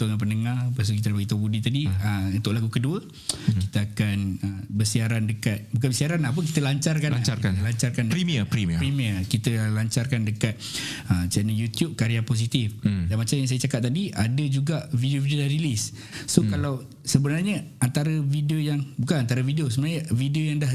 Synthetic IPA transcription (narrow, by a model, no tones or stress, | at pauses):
t̪uŋanpənəŋarpas̬ukit̪abaɡit̪obudit̪adiəunt̪ʊʔlaɡukəduə | kit̪əakanəbərsiaɾandəkat̪̚bukanbəsiaɾanlaɦap̬ək̬it̪əlaɲt͡ʃarkanlaaknəlaɲt͡ʃarkandəɾimiəpɾimpɾimiərkit̪əlaɲt͡ʃarkandəkat̪̚ət͡ʃɛnəljut̪jup̚kaɾiapos̬it̪ifdanmat͡ʃamjaŋs̬ajat͡ʃakatp̚t̪adiʔadəd͡ʒuɡaʔvideovideodahrilis | sokalaw | səbənarɲəant̪aɾəvideojaŋbukanant̪aɾəvidiosəbənarɲəvideojaŋdah